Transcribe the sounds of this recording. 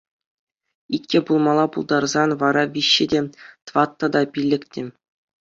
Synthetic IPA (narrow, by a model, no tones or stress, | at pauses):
itʲkʲĕbulˠmɑlˠɑpulˠd̪ɑrzɑnʋɑɾɑʋʲiɕːɘ̆dʲet̪ʋɑt̪ːɑd̪ɑpʲilʲːɘ̆kʲtʲĕ